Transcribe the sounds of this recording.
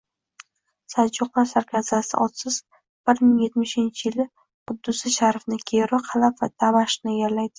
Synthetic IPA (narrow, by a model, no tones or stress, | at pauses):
sad͡ʒʊqlasaɾkʲʰazasɪ̰ʔɒt̪sɪz̥ | b̥ɪɾmɪŋje̞t̪mɪʃɪnt͡ʃʰɪjɪlɪ | qʊd̪ːʊsɪʃaɾfnɪkʲʰeɾɪqʰɑlapva̰t̪ʰamaʃnɪjʲaɾlajd̪ɪ